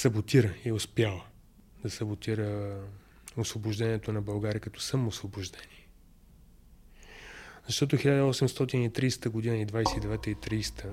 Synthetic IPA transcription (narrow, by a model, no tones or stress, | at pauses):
sɐbot̪iɾəiɛʊspjalˠ | d̪ɐsɐbot̪iɾə | osvobʊʒd̪ɛniɛt̪onɐbɐlˠɡaɾʲiəkɐt̪ɔsəmʊsvobʊʒd̪ɛnʲiɛ | zɐʃt̪ɔt̪ʊxilʲad̪əɔsɛmst̪ɔt̪init̪ɾijst̪əɡod̪inəid̪vajsɛid̪ɛvɛt̪əit̪ɾist̪ə